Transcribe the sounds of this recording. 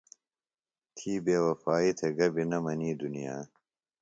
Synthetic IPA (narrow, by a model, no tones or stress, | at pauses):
t̪ʰiːbeːwɐfaːit̪ʰeɡɐbinɐmɐniːd̪unija̰ː